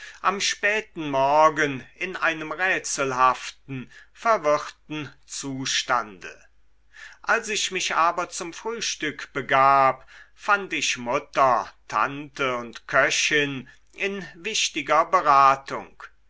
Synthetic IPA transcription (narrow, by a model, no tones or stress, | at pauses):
ʔamʃpɛːtn̩mɔɐɡənɪnʔaɪnəmʁɛːt͡səl̩haftn̩fɛɐvɪʁtn̩ | t͡suːʃta̰ndə̰ | ʔalsɪçmɪçʔaːbɐt͡sʊmfʁ̥yːʃtʏkb̥əɡaːpfantɪçmʊtɐtʰa̰ntəʊntkʰœɕɪn | ʔɪnvɪʃtɪɡɐbəʁaːtʊ̰ŋk